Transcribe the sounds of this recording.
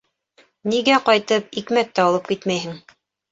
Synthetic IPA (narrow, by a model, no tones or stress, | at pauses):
niɡæqɑjt̪ɤpikmæt̪ːæɑlˠɤp̚kit̪mæjɦɘŋ